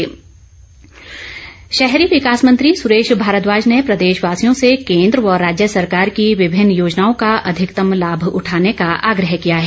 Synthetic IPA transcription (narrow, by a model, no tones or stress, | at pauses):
ʃɛɦɾiʋɪkaːsmɐ̃nt̪ɾisʊɾeːʃbʱaːɾət̪ʋaːd͡ʒnepɾɐd̪eːʃʋaːsijõsekẽːnd̪ɾɔːɾːaːd͡ʒjəsɐɾkaːɾkiʋɪbʱɪnːjoːd͡ʒnaːõkaʔɐd̪ʱɪkt̪əmlaːbʱʊ̰ʈʰaːnekaʔa̰ːɡɾəɦkijaɦɛː